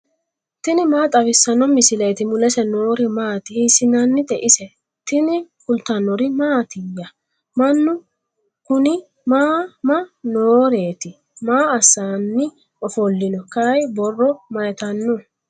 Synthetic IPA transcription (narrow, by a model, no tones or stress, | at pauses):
t̪ɪnɪmaːt̪ʼɐβɪsːɐnɔmɪsɪlɛjt̪ɪmʊlɛsɛnoːɾɪmaːt̪ɪhisɪnɐnːɪd̪ɛʔɪsɛ | t̪ɪnɪkʊlt̪ːɐnːɔɾɪmaːt̪ɪjːɐ | mɐnːʊ | kʊnɪ | maːmɐnoːɾe̞ːt̪ɪ | maːɐsːaːnːɪ | ɔfɔlːɪnɔkɐjbɔrːɔmɐjɛt̪ɐnːɔ